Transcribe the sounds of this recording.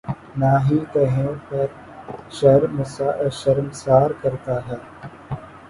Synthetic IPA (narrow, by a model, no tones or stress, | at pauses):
naːɦiːt̪ɐɦẽːpɐɾ | ʃɐɾmsaʃɐɾmsaːɾkɐɾt̪aːɦɛː